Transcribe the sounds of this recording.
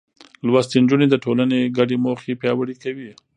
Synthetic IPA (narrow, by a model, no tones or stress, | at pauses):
lwast̪ind͡ʒuned̪əʈolaneɡaɖemoxepjɑwəɽikawi